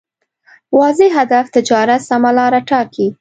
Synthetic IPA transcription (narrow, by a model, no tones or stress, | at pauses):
wɑzeɦad̪aft̪ɪd͡ʒɑɾat̪samalɑɾaʈɑki